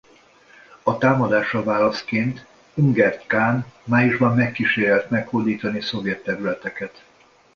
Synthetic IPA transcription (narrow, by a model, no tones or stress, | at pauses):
ɒt̪aːmɒd̪aːʃɒvaːlɒskeːnt̪ | yŋɡɛrt̪kaːnmaːjuʒbɒmːɛkːiʃeːɾɛlt̪mɛkhod̪iːt̪ɒniso̞vjɛt̪ːɛɾylɛt̪ɛkɛt̪